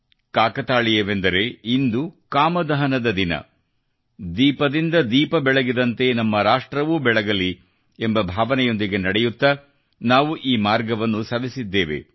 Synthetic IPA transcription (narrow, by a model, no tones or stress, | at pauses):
kaːkɐt̪aːɭijɐʋe̞nd̪ɐɾe̞ind̪ukaːmɐd̪ɐɦɐnɐd̪ɐd̪inɐ̰ | d̪iːpɐd̪ind̪ɐd̪iːpɐbɛɭɐɡid̪ɐnt̪e̞nɐmːɐɾaːʂʈɾɐʋuːbɛɭɐɡɐli | embɐbʱaːʋɐnɛjo̞nd̪iɡe̞nɐɽɛjut̪ːɐ | naːʋuʔiːmaːɾɡɐʋɐnːusɐʋisid̪ːeːʋe̞̰